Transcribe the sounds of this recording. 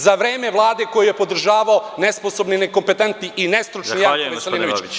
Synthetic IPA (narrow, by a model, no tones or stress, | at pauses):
zaʋɾeːme̞ʋlˠaːd̪e̞ko̞jujepo̞d̪r̩ʒaːʋaone̞sposo̞bnineko̞mpe̞t̪ent̪niʔinest̪ɾut͡ʂnijakʋeseliːnoʋit͡ɕ